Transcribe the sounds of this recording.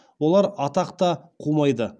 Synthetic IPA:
wo̞lˠɑɾɑt̪ɑqt̪ɑqʰumɑjd̪ə

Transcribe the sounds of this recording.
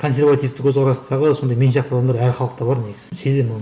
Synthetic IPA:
kʰo̞ns̬ʲe̞ɾvat̪ift̪ɪkʰɵzʁʰɑɾɑsəd̪ɑʁəso̞nd̪ɑjme̞nʃɑqt̪ɑd̪ɑmd̪ɑɾæɾχɑlˠəq̚t̪ɑbɑɾneɡɪsɪsed̪emʊ

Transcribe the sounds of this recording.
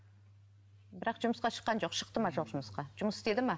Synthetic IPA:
bɪɾɑqʒʊməsqɑʃə̥qːɑnʒo̞qʃəq̚t̪əmɑʒo̞qʒʊməsqɑʒ̥ʊməsɪ̥st̪e̞d̪ɪmɑ

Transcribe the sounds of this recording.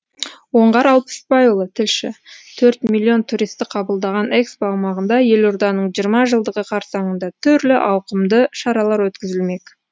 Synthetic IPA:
wo̞ɴʁɑɾɑlˠpə̥spɑjulˠət̪ʰɪlʃɪ̰t̪ʰɵɾt̪mʲilʲːio̞nt̪ʰuɾist̪ɪqʰɑbəlˠd̪ɑʁɑne̞kspoɑwmɑʁənd̪ɑje̞lo̞ɾd̪ɑnəɴʒijəɾmɑʒəlˠd̪əʁəqʰɑɾsɑɴənd̪ɑt̪ʰʏɾlɪʔɑwqəmd̪əʃɑɾɑlˠɑɾwɵt̪kʲɪzɪlme̞kʲ

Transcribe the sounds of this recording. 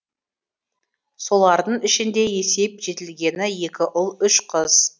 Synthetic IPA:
so̞lˠɑɾd̪əɴɪʃɪnd̪e̞je̞se̞p̚ʒe̞t̪ɪlɡʲe̞nɪje̞kʲɪʔʊlˠʏʃqʰəz̥

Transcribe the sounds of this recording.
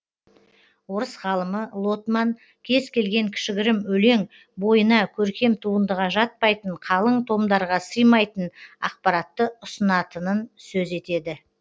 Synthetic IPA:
wo̞ɾəsʁɑlˠəməlˠo̞t̪mɑŋ | kʲʰe̞zkʲʰe̞lɡʲe̞ŋkʲʰɪ̥ʃɪɡʲɪɾɪmɵle̞ŋ | bo̞jənɑkʲʰɵɾkʲe̞mt̪ʰuənd̪əʁɑʒɑt̪̚pɑjt̪əɴqʰɑlˠəɴt̪ʰo̞md̪ɑɾʁɑsəjmɑjt̪ənɑ̰q̚pɑɾɑt̪ːəʊsənɑt̪ənənsɵze̞t̪e̞d̪ɪ

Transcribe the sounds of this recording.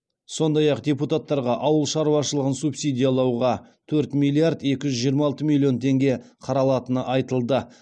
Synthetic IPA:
so̞nd̪ɑjɑqd̪ʲeput̪at̪ːɑɾʁɑʔɑwəlˠʃɑɾuwɑʃəlˠəʁənsupsʲijd̪ʲijalˠɑwʁɑ | t̪ʰɵɾt̪milːˠijard̪e̞kʲɪʒʏzʒijəɾmɑɑlˠt̪əmʲilʲːˠio̞nt̪ʰe̞ŋɡʲe̞qʰɑɾɑlˠɑt̪ənəʔɑjt̪əlˠd̪ə

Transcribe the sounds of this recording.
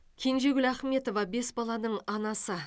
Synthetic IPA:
kʲʰe̞nʒe̞ɡʲɪlæχme̞t̪o̞vɑbe̞sbɑlˠɑnəɴɑnɑsə

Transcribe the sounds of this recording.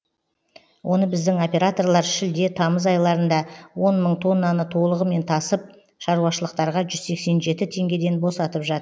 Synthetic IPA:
wʔo̞nəbɪzd̪ɪŋo̞pʲe̞ɾat̪o̞rlˠɑɾʃɪld̪e̞t̪ʰɑməzɑjlˠɑɾənd̪ɑwo̞nməɴt̪ʰo̞nːɑnət̪ʰo̞lˠəʁəme̞nt̪ʰɑsəp̚ | ʃɑɾuwɑʃəlˠəqt̪ɑɾʁɑʒʏzse̞kse̞nʒe̞t̪ɪt̪ʰe̞ŋɡʲe̞d̪e̞nbo̞sɑt̪əpʒɑt̪əɾ

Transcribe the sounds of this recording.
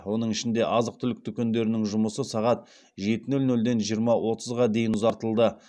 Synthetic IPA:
wo̞nəɴɪʃɪnd̪e̞ʔɑzəq̚t̪ʰʏlɪk̚t̪ʰʏkʲend̪e̞ɾɪnɪŋʒʊməsəsɑʁɑt̪̚ | ʒe̞t̪ɪnɵlnɵld̪e̞nʒijəɾmɑwo̞t̪ʰəzʁɑd̪e̞jɪnʊzɑɾt̪əlˠd̪ə

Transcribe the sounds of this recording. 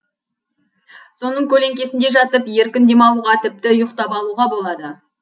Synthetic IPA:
so̞nəɴkʲʰɵle̞ŋkʲe̞sɪnd̪e̞ʒɑt̪əpje̞ɾkʲɪnd̪e̞mɑlˠuʁɑt̪ʰɪp̚t̪ɪʊjəqt̪ɑpɑlˠuʁɑbo̞lˠɑd̪ə

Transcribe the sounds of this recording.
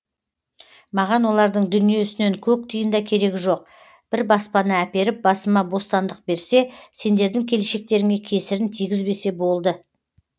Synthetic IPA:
mɑʁɑnwo̞lˠɑɾd̪əɴd̪ʏnije̞ʏsɪneŋkʲʰɵk̚t̪ʰijənd̪ɑkʲʰe̞ɾe̞ɡʲɪʒo̞q̚ | b̥ɪɾbɑspɑnəæpe̞ɾɪp̚bɑsəmɑbo̞st̪ɑnd̪əq̚be̞ɾse̞se̞nd̪e̞ɾd̪ɪŋkʲʰe̞leʃe̞k̚t̪e̞ɾɪŋe̞kʲʰe̞sɪɾɪnt̪ʰijɡʲɪzbe̞se̞bo̞lˠd̪ə

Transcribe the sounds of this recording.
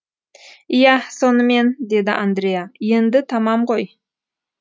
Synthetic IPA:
ijɑso̞nəme̞nd̪e̞d̪ɪʔand̪ɾʲejaje̞nd̪ɪt̪ʰɑmɑmʁo̞j

